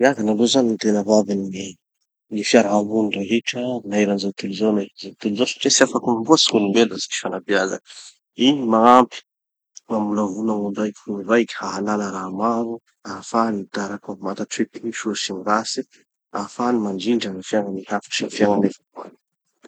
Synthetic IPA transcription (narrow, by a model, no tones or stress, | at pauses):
iaɡanaɳɖ͡ʐozannit̪enəvavinii | nifjaɾaɦamund̪aɦiʈ͡ʂənaeɾanzat̪ulzownaɾazat̪ulizosḁʈ͡ʂesiafakumambuəsi̥munumbelazi̥ki̥fanabiaza̰n | inimaampi̥ | mamulavunamunɖ͡ʐajkuivajkʲi̥haɦanaləɾaamaɾu | afanid̪aɾakamat̪aʈ͡ʂet̪iʃuɾsimiɾasi | afanimaɳɖ͡ʐiɳɖ͡ʐənifjaŋənihafḁʃinfjaŋanefḁkuan